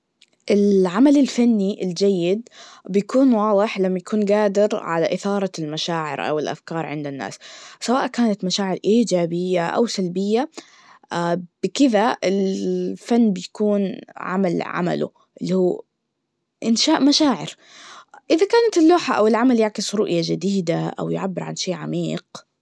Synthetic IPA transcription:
ʔɪlʕamalɪlfanːiʔɪld͡ʒajːɪd̪bɪjakuːnwɑːðˤɨħlamːajakʰuːnɡaːd̪ɪɾʕa̰la̰ʔɪθɑːɾˤɑlmaʃaːʕɪ̰ɾʔa̰wɪlʔa̰fkɑːɾˤʕɪ̰nd̪anːa̰ːssawaːʔkaːnat̪maʃaːʕɪɾʔiːd͡ʒaːbɪjːaʔa̰wsalbɪjːa | b̥ɪkɪðaʔɪlfanːbɪjakuːnʕa̰malʕa̰ma̰lʊ̰ | ʔɪlːihuː | ʔɪnʃaːʔmaʃaːʕɪ̰ɾ | ʔɪðakaːnat̪ɪlːuːħaʔawɪlʕamaljaʕkɪsɾʊʔjad͡ʒɪd̪iːd̪aʔa̰wjʊʕabːɪɾʕanʃeːʕamiːq

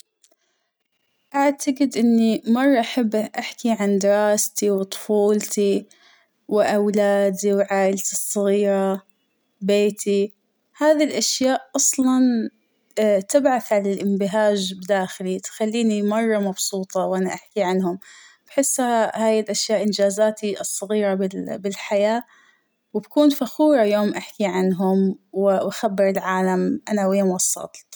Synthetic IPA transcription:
ʔaʕt̪ʰaɡɪd̪ʔɪnːimɑrˤːɑʔaħabːʔaħkiʕand̪ɪɾɑːst̪iwt̪ˤʊ̥fuːlt̪i | wʔawlaːd̪iwʕaːʔɪlt̪isˤːɨɣiːɾɑ | beːt̪ʰi | haːðilʔaʃjaːʔʔɑsˤlɑn | t̪ɪbʕaθʕalalʔɪmbɪɦaːʒbd̪aːxɪlit̪xalːiːnimɑrˤːɑmɑbsuːt̪ˤɑwʔanaʔaħkiʕanhʊmb̥ħɪsːahaːjɪlʔaʃjaːʔɪnd͡ʒaːzaːt̪iʔɨsˤːɑɣiːɾɑbɪlbɪlħajaː | wɪbkuːnfaxuːɾˤɑjoːmʔaħkiʕanɦʊmwʔaxabːɪɾɪlʕaːlamʔanaweːmwɑsˤːɑ̰lt̪

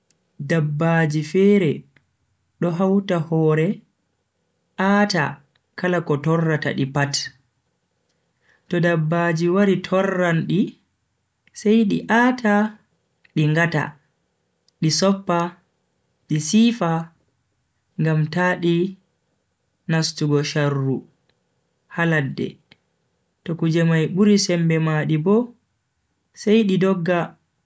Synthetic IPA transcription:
dabːad͡ʒifɛːɾɛ | ɗɔɦawtahɔːɾɛ | ʔaːta̰ | kalakɔtɔrːata̰ɗipat | tɔdabːaːd͡ʒiwaɾitʰɔrːanɗi | sajɗiʔaːtʰa | ɗiŋɡata̰ | ɗisɔpːa | ɗisiːfa | ŋɡamtaɗi | nastuɡɔʃarːu | haladːɛ̰ | tɔkud͡ʒɛmajɓuɾisɛmbɛmaɗibɔ | sajɗidɔɡːa

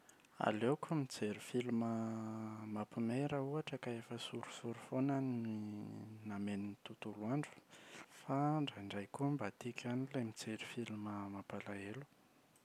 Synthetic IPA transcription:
a̰lekumid͡zeɾufilumə | mapimeɾəuaʈ͡ʂəkaefəsuɾu̥suɾufonanininameninit̪ut̪uluaɳɖ͡ʐu̥faɳɖ͡ʐaɳɖ͡ʐajkuəmbat̪ikʲanilemid͡zeɾufiluməmapalaelu̥

